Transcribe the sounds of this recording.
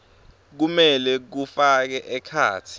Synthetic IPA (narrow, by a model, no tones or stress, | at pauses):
k̬umɛlɛk̬ufak̬ɛʔɛkʰa̰ːtʰi̥